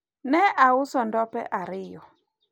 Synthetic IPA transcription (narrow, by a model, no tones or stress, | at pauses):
nɛʔaʊsɔndɔpɛ̰ʔaɾɪjɔ